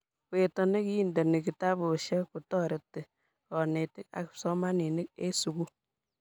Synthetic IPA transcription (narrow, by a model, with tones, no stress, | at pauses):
kwe˨tɔ˨ne˦ki˦i˦˨ndɔ˨ne˨ki˨ta˦bo˨ʃɛ˦ku˨tɔ˦ɾe˨tːɪ˨ | ɔ˨ne˨tɪ˦ka̰˨ksɔ˦ma˦ni˨nɪ˦k̚e˦su˨ku˦